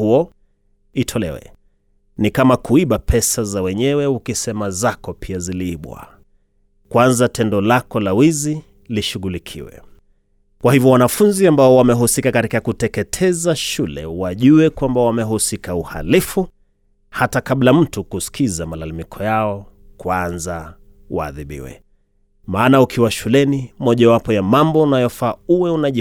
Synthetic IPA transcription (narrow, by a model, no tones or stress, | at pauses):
huɔ | itʰɔlɛ̰wɛ̰ | nikamakuiɓapʰɛsazawɛɲɛwɛukisɛmazakɔpʰiaziliiɓwa̰ | kwanzatʰɛndɔlakɔlawizi | liʃuɣulikʰḭwɛ̰ | kwahivjɔwanafunziambaɔwamɛɦusikakatikakutɛkɛtʰɛzaʃulɛ̰waʄuwɛkwambawamɛɦusikauha̰lifu | hatakaɓlam̩tukuskizamalalamikʰɔjaɔ | kwanza | wa̰ːðiɓḭwɛ̰ | maːnaukʰiwaʃulɛnimɔʄawapɔjamambɔunajɔfaːuwɛunaʄi